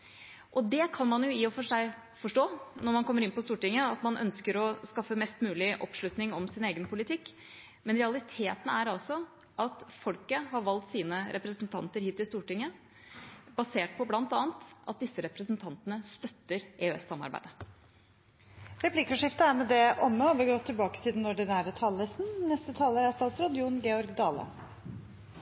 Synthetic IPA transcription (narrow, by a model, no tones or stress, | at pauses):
ʔɔd̪ɛkʰɑnmɑnjʊɪɔfɔʂæɪ | fɔʂʈoːnɔɾmɑnkʰɔmːəɾɪnpɔst̪uːʈɪŋːəɑt̪mɑnʔœ̰nskəɾɔskɑfːəmɛst̪mʉːlɪʔɔ̰pʂlʉt̪nɪŋɔmsɪneːɡənpʰʊlɪt̪ʰɪkː | mɛnɾɛɑlɪt̪ʰeːt̪n̩æɾɑlsɔ | ʔɑt̪fɔlkəɦɑɾʋɑlt̪siːnəɾʔɛpɾəsnt̪ʰɑ̰nt̪əɾhiːt̪ɪst̪uːʈɪŋːə | bɑseːʈ̚pʰɔblɑnt̪ɑːnt̪ʔɑ̰t̪̚d̪ɪsːəɾɛpɾəsnt̪ʰɑnt̪ənəst̪œt̪ːəɾʔeøɛ̰sːɑmːɑ̰ɾbæ̰ɪd̪ə | ɾɛpʰlɪkɔʂɪft̪əæɾmɛd̪ɛʔɔmːəɔːʋɪɾɡɔt̪ʰːɪlbɑːkət̪ʰɪld̪ɛnɔɖɪnæːɾət̪ʰɑləsnnɛst̪ət̪ʰɑːləɾæst̪ɑːt̪sɾɔd̪ɪuːnɡeːɔɾɡd̪ɑːlə̰